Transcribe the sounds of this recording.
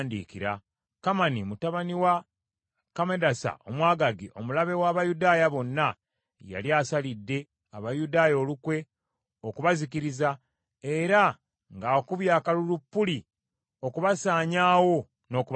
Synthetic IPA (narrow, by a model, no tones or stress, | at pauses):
ndḭːkiɾa | kamanimutaβaniwa | kamedasa̰o̞̰mwaːɡaɡiʔo̞mulaβe̞waːβajudaːjaβo̞nːa | ja̰liaːsalidːe̞ | aβajudaːjo̞ːlukwe̞ | okuβazikiɾiza | e̞ɾa | ŋɡaokuβjaːkalulupːuli | o̞kuβasaːɲaːwo̞ | no̞ːkuβ